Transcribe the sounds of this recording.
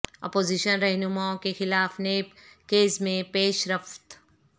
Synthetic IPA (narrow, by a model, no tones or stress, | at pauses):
ɔ̰ːpoːziʃənɾɛɦnʊmaːõkexɪlaːfneːpkeːzmẽpeːʃɾɐft̪